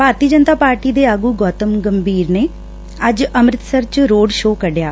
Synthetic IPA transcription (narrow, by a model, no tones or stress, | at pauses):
bʱaːɾt̪iəd͡ʒənt̪aːpaːɾʈiːd̪eːaːɡuːɡɔːt̪əmɡəmbʱiːɾneː | əd͡ʒəmɾɪt̪səɾt͡ʃɾoːɖʃoːkəɖjaː